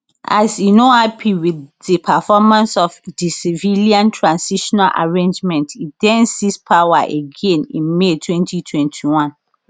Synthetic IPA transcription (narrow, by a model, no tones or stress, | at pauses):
ʔa̰sinohapʰiwidipʰafɔmãnsɔfdisiviliãntʰɹãnsiʃɔnalʔa̰ɹẽnd͡ʒmɛ̃ntitdɛ̃nsispʰawaʔeɡẽnḭ̃nmetʰwɛ̃ntitʰwɛ̃ntʰiwãn